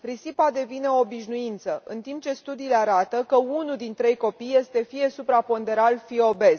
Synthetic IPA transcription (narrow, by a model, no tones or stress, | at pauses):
ɾisipad̪e̞vine̞o̞ːbiʃnuint̪səɨnt̪imp̚t͡ʃe̞st̪ud̪iːle̞aɾat̪əkəunuld̪int̪ɾe̞jko̞pijːe̞st̪e̞fie̞supɾapo̞nd̪e̞ɾalfio̞be̞z